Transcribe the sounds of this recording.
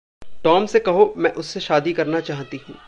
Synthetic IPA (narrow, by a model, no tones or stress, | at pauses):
ʈɔːmsekɐɦomɛ̃ːʔʊsːeʃaːd̪ikɐɾnat͡ʃaːɦt̪iɦũː